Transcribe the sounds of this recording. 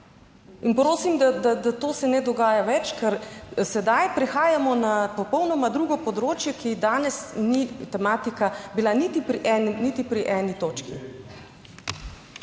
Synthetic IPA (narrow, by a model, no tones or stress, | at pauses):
inpɾoːsimd̪ad̪ad̪at̪oːsɛnɛd̪ɔɡaːjaʋɛt͡ʃkɛɾsɛd̪ajpɾixaːjamɔnapɔpɔwnɔmad̪ɾuːɡɔpɔd̪ɾoːt͡ʃjɛkid̪aːnɛsnit̪ɛmaːt̪ikabilanit̪ipɾiʔɛninit̪ipɾiʔɛːnit̪oːt͡ʃkḭ